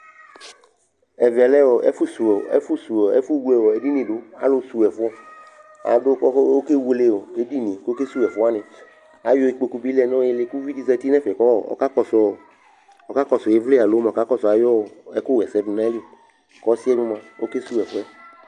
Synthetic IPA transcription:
ɛ˨vi˨a˨lɛ˦wɔ˨ɛ̰˦fu˦su˨ɛ̰˦fu˦su˨ɔ˨ɛ̰˦fu˦wu˦ɛ˨wɔ˨e˨di˦nĩ˨ɖo˦a̰˦lo˦su˨wɛ˨fu˦ɔ˦ | a̰˨do˦kɔ˦o˦ke˦wu˨˦le˦wo˨e˦di˦nĩ˨ko˦ke˦su˦ɛ˨fu˦a˦nẽ˨ | a˨jɔ˦e˨k͡po˨ku˦bi˦lɛ˦nɔ̃˦je˦le˦ku˦vi˦di˦zɛ˦t̪i˦nɛ̃˦fɛ˨kɔ̰˦˨ka˦kɔ˨s | ɔ˨ka˦kɔ˦sɔ˨je˨˦vle˦a˨lo˨˦mã˨ka˦kɔ˦sɔ˨a˨jɔ˦˨ɛ˨ku˦ɣɛ˨sɛ˦du˨nã˦li˦˨ | kɔ˦si˦ɛ˦nũ˦mã˨wo˦ke˦su˦ɛ˨fu˦ɛ˦

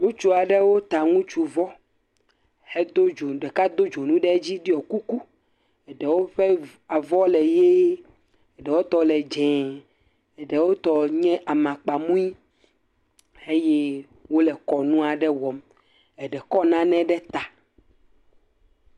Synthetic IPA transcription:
ŋũ˦t͡ʃu˦a˨ɖɛ˦wo˦t̪a˨ŋũ˦t͡ʃu˨vɔ˦ | hɛ˦d̪o˦d͡ʒo˨ɖɛ˨ka˦d̪o˦d͡ʒo˨nũ˦ɖɛ˦d͡ʑi˦ɖi˦ɔ˨ku˦ku˦ | ɛ˨ɖɛ˨wo˦ɸɛ˦ | a˨vɔ˦lɛ˨je˦ | ɛ˨ɖɛ˨wo˦t̪ɔ˨lɛ˨d͡ʒɛ̃˨ | ɛ˨ɖɛ˨wo˦t̪ɔ˨ɲɛ̃˦ʔa˨mã˨k͡pa˨mũ˦i˦ | e˦je˦ | wo˦lɛ˨kɔ˨nũ˦a˨ɖɛ˦wɔ˨m | ɛ˨ɖɛ˨kɔ˦nã˦nɛ̃˦ɖɛ˦t̪a˨

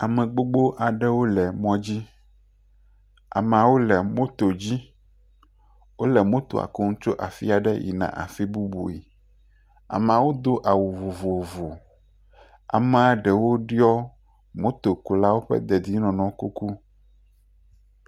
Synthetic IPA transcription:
a˨mɛ̃˨ɡ͡bo˦ɡ͡bo˦ʔa˨ɖɛ˦wo˦lɛ˨mɔ̃˨d͡ʑi˦ | a̰˨m˨a˨wo˦lɛ˨mõ˦t̪o˨d͡ʑi˦ | wo˦lɛ˨mõ˦t̪o̰˨a̰˨ko˦ŋũ˦t͡ʃo˦ʔa˨fḭ˦a˨ɖɛ̰˦jḭ˨nã̰˨ʔa̰˨fi˦bu˦bṵ˨ḭ˨ | a̰˨m˨a˨wo˦d̪o˦ʔa˨wu˨vo˨vo˨vo˨ | a̰˨mɛ̃˦a˨ɖɛ˨wo˦ɖi˦ɔ˦ | mõ˦t̪o˨ku˨la˦wo˦ɸɛ̰˦d̪ɛ˨d̪i˦nɔ̃˨nɔ̃˨ku˦ku˦

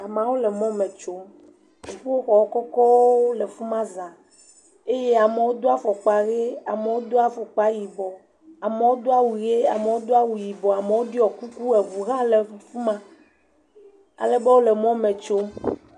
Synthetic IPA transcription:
a˨mã˨wo˦lɛ˨mɔ̃˦mɛ̃˨t͡ʃo˦m˨ | ɸo˦xɔ˨wɔ˦kɔ˦kɔ˦wo˦le˨fu˦mã˦za˨ | e˦je˦a˨me˨wo˦d̪o˦a˦fɔ˨k͡pa˨ɣe˦a˨me˨wo˦d̪o˦a˦fɔ˨k͡pa˨ji˨bɔ˨ | a˨me˨wo˦d̪o˦a˦wu˨ɣe˦a˨me˨wo˦d̪o˦a˦wu˨ji˨bɔ˨a˨me˨wo˦ɖi˦ɔ˨ku˦ku˦ɛ˨vu˨ɣã˦le˨fu˦mã˨ | a̰˨le˨bɛ˦wo˦le˨mɔ̃˦mɛ̃˨t͡ʃo˦m

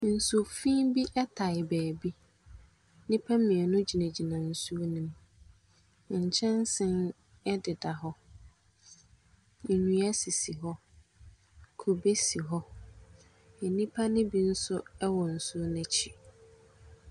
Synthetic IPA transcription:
n̩˨sʊ˨fĩ˦bi˦ʔɛ˦tʰa˨ɪ˨bɛː˨bi˦ | nĩ˦pʰa˦mĩ˨ɛ˨nʊ̃˦d͡ʑi˨næ̃˨d͡ʑi˨nã˨n̩˨su˦o˦nʊ̃˨m˨ | ɲ̩˨t͡ɕʰɛ̃˦n˦sɪ̃˦n | ɛ˦dɪ˨da˨ɦɔ˦˨ | ɲũ˨a˦si˨si˨ɦɔ˦ | kʰo˨be˦si˨ɦɔ˦ | ɛ˨nĩ˦pʰa˦nɪ̃˦bi˦n̩˦sʊ˦ɛ˦wɔ˨n̩˨sʊ˦nɛ̃˨t͡ɕʰi˨

